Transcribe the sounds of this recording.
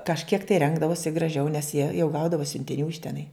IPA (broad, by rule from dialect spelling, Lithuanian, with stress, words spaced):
kɐʃʲˈkʲiɛk tɐɪ ˈrʲɛŋɡdɐʋoːsʲɪ ɡrɐˈʒʲɛʊ nʲɛs jiɛ jɛʊ ˈɡɐʊdɐʋoː sʲʊnʲtʲɪˈnʲuː ɪʃ tʲɛˈnɐɪ